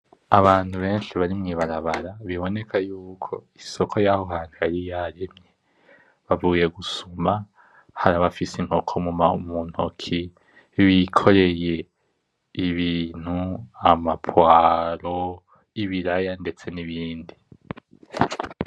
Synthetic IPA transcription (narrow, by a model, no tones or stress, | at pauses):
aβaːn̥huβe̞ːnʃiβaɾimŋiːβaɾaβaɾaβiβo̞ne̞kʰajuːkʰo̞iso̞kʰo̞jaho̞ɦaːniaɾijaɾemɲe | βavuje̞ɡusuma | haɾaβafisiŋ̥ho̞kʰomumaumun̥hokʰi | βikʰo̞ɾe̞je̞ | iβiːn̥huamapʰwaɾo̞ | iβiɾajande̞t͡se̞niβiːndi